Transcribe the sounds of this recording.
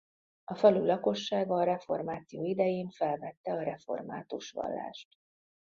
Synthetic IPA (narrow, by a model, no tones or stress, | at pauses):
ɒfɛlylɒko̞ʃːaːɡɒːɾɛfo̞̰rmaːt̪sijoːid̪ɛjeːɱfɛlvɛt̪ːɛɒɾɛfo̞̰rma̰ːt̪uʃʋɒ̰lːa̰ːʃt̪